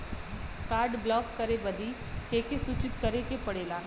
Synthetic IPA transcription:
kaːɾɖblɔːkːɐɾebɐd̪ʱi | keːkesuːt͡ʃɪt̪kɐɾekepɐɽeːlaː

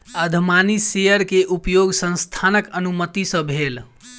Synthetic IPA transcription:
əd̪ʱmanisejəɾkeʔupjoɡsə̃nst̪ʰanəkənumət̪isə̃bʱel

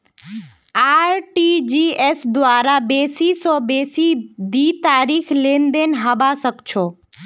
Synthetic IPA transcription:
aːɾʈid͡ʒiesd̪ʊaːɾabeːsisɔbeːsid̪it̪aːɾiːkʰleːnd̪enɦəbasəkt͡ʃʰoː

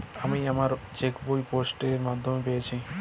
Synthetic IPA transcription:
amiamaɾt͡ɕekbojposʈeɾmad̪ʱːomepejet͡ɕʰi

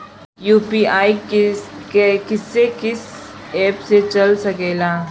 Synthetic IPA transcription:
juːpiːaːi | ekɪsːekɪsɛːpset͡ʃɐlsɐkeːlaː

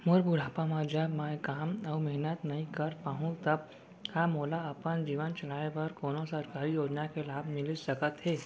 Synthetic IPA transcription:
moɾbʱuɽ̤aːpãmãd͡ʒamaːjkaːməwmɛɦnət̪nɐɦĩkəɾpaːɦũt̪əb̚ | kamoːlaəpənd͡ʒiːʋənt͡ʃɐl̤aːebəɾkoːnosəɾkaːɾijoːd͡ʒnakelaːbʱmɪlisəkət̪ɦeː

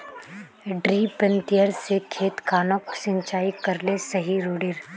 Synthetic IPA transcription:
ɖɾiːpə̃nt̪ijəɾsekʰeːt̪kaːnoːksɪ̃ɲt͡ʃaːikɐɾlesɐɦiɾoːɖeːɾ

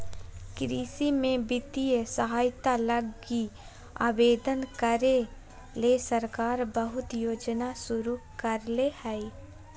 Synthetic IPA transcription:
kɾiːsimẽbɪt̪iəsəɦaːjt̪alɐɡi | a̰ːbeːd̪ənkəɾe | leːsəɾkaːɾbəɦʊt̪joːd͡ʒnasʊɾukəɾlehɛi

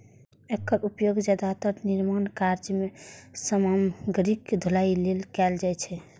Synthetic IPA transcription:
ekːəɾupjoɡd͡ʒad̪at̪əɾniɾmankaɾd͡ʒmesəmamɡɾikd̪ʱolailelkɛld͡ʒajt͡ʃʰɛ

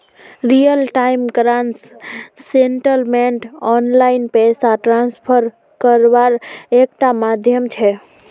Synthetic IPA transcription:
ɾijəlʈaimɡɾansː | eɳʈəlmeɳʈɔnlainpesaʈɾanspʰəɾ | kəɾbaɾekʈamad̪ʱjəmt͡ʃʰɛ

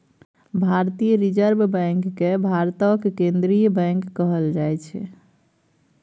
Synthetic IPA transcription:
bʱaɾt̪ijəɾid͡ʒəɾbbɛ̃ŋkːebʱaɾt̪əkkẽnd̪ɾijbɛ̃ŋkːəɦəld͡ʒajt͡ʃʰɛ̰

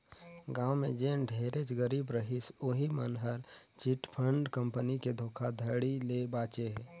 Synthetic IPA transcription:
ɡaːwmed͡ʒẽɖʱeːɾet͡ʃɡəɾiːbɾəɦisoːɦimənɦəɾt͡ʃiʈpʰəɳɖkə̃mpəniked̪ʱoːkʰad̪ʱəɽilebaːt͡ʃeɦɛː

